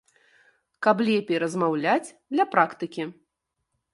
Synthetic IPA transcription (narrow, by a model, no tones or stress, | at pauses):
kablʲɛpʲejɾɐzmawlʲat͡sʲd̪lʲɐpɾakt̪ɨkʲi